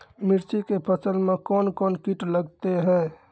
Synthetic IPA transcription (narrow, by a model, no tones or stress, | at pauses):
miɾt͡ʃikepʰəsəlmekɔnkonkiʈləɡt̪eɦɛ